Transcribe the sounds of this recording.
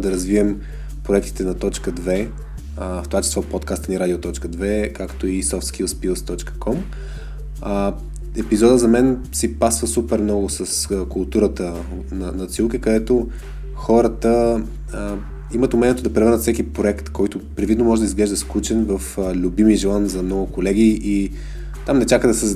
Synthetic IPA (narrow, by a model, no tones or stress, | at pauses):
d̪ɐɾɐzviɛm | pɾoɛk̚t̪i̥t̪ɛnɐt̪ɔt͡ʃkəd̪vɛ | ft̪ovat͡ʃɛ̥sˠɔpɔt̪kast̪əniɾad̪ʲiot̪ɔt͡ʃkəd̪vɛkakt̪oisɔft̪skilˠspilˠst̪ɔt͡ʃkə̥kʰɔm | ɛpizɔd̪əzɐmɛn | sipasvəsupɛɾmnɔɡʊsəskʊlˠt̪uɾət̪ə | nɐnɐt̪silˠkikɐd̪ɛt̪o | xɔɾət̪ə | imət̪ʊmɛnʲijɛt̪od̪ɐpɾɛvəɾnət̪sɛkipɾoɛkt̪kɔjt̪ʊpɾɛd̪vid̪nomɔʒɛd̪ɐizɡlɛʒd̪əsklut͡ʃɛnvəflʲubimiʒɛlˠanzɐmnɔɡʊkolɛɡ̟ii | t̪amnɛt͡ʃakəd̪ɐsə